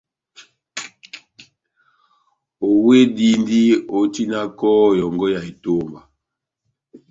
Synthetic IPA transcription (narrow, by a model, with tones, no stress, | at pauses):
o˨we˦di˦ndi˦o˨˦ti˦na˦kɔ˦jɔ˨ŋɡɔ˦ja˨e˨to˦mba˨